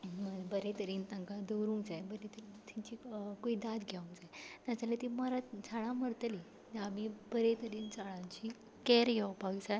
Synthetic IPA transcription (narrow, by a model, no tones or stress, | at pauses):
məbəɾẽt̪əɾiːnt̪ãŋkad̪əwɾuŋɡd͡zajbəɾet̪əɾit̪iɲt͡ɕiːkuiːd̪at̪ɡʱaũŋd͡zajnat͡salet̪iməɾat̪t͡sʰaɽ̃ãməɾt̪əli | amibəɾet̪əɾiːnd͡zaɭãɲt͡ɕi | kɛɾjewpaɡd͡zaj